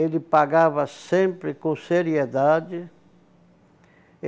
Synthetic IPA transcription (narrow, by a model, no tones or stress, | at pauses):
elɪpaɣavɐsẽmpɾɪkõseɾjed̪ad͡ʒɪ